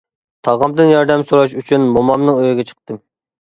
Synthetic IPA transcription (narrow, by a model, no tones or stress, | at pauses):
t̪ʰɑʁɑmd̪ɨnjɑɾd̪ɛmsoɾɑʃyt͡ʃʰynmomɑmnɨŋøjɪɡʲɛt͡ʃʰə̥q̚t̪ɨm